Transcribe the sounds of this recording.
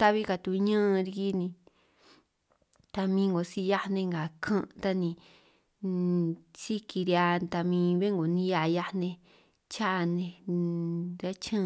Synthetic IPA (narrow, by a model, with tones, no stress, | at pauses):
t̪a˦βi˦ka˧˨t̪u˧ɲə̃˦˧ɾi˧ki˦nĩ˧ | t̪a˧mĩ˧ŋɡo˨si˦˧ja˦˧nẽ˧ŋɡa˨kʰã˦ʔt̪a˦nĩ˧ | si˦ki˧ɾja˧t̪a˧mĩː˧βe˦ŋɡo˨nĩ˦ja˧ja˧˦nẽ˧ | t͡ʃa˦˧nẽ˧ | ɾa˦t͡ʃã˦